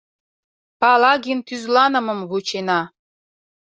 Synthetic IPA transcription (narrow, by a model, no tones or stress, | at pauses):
pɑlɑɣint̪yzlɑnə̆mɤ̆mβut͡ɕenɑ